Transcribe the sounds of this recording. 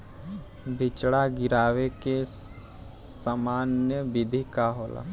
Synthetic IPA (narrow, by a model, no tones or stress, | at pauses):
d̪ʱɪt͡ʃɽaɡɪɾaːweke | samaːnjəʋɪd̪ʱikaɦoːla̰